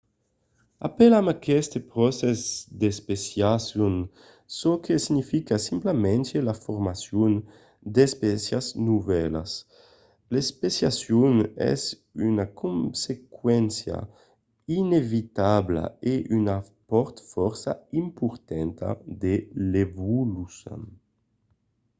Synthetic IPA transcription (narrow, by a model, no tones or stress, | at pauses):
a̰pelamakɛst̪epɾɔsezd̪espesjasjun | sokʰesiɲifikasimplamɛnt̪elafuɾmasjun | d̪espɛsjaznuvɛla̰s | lespesjasjunɛ̰z | ynakʰunsekwɛnsja̰ | inevit̪abla̰eʔyna | pɔɾt̪fɔɾsaimpuɾt̪ɛnt̪a̰d̪elevulusa̰n